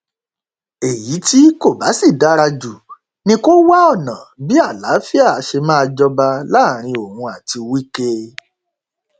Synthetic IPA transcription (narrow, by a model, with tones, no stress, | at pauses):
e˨ji˨˦ti˦ko˦˨ba˨˦si˦˨da˨˦ɾa˧d͡ʒu˨ | nĩ˧ko˦wa˦ɔ˦˨nã˨bi˦a˦˨la˨˦fi˦a˦˨˧ʃe˧mãː˦˧d͡ʒɔ˧ba˧la˦˨ɾ̃ĩ˧o˨hũ˧a˨ti˧wi˦ke˧